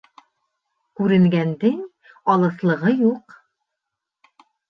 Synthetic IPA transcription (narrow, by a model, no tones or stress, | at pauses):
kʉɾɘ̆ŋɡænd̪ɘŋ | ɑlˠɤ̆slˠɤ̆ʁɤjuq